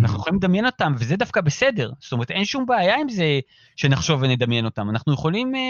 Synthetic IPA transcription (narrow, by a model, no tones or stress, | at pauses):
anaχnujχolimled̪amje̞no̞t̪amvezed̪afkabese̞de̞ʁz̥tome̞te̞nʃumbeajaimze | ʃenaχʃo̞vened̪amjeno̞t̪amanaχnuje̞χo̞lim